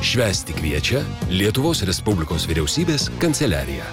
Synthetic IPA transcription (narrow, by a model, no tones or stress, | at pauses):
ʃʲʋʲæːsʲt̪ʲɪkʲʋʲiɛt͡ʃʲɛlʲiɛt̪ʊʋoːsɾʲɛspʊbʲlʲɪkoːsʋʲɪɾʲɛʊsʲiːbʲeːskɐnʲt̪sʲɛlʲæ̰ːɾʲɪ̰jæ